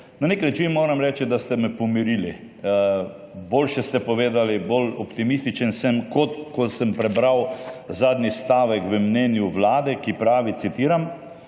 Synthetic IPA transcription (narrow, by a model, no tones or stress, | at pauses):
naneknat͡ʃinmoːɾamɾɛːt͡ʃid̪ast̪ɛmɛpɔmiɾili | boːlʃɛst̪ɛpɔʋeːd̪alibolɔpt̪imist̪it͡ʃənsəmkot̪kɔsəmpɾɛbɾawzaːd̪nist̪aːʋɛkʋəmnɛːnjuʋlaːd̪ɛkipɾaːʋit̪sit̪iːɾam